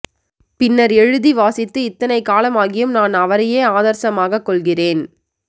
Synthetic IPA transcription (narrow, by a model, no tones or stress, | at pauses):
pɪnːɐɾɛɻɯðiʋaːsɪt̪ːɯɪt̪ːɐnɐɪkaːlɐmaːɣɪjɯmnaːnɐʋɐɾɐjeːaːðɐɾsɐmaːɣɐkːɔɭɣɪreːn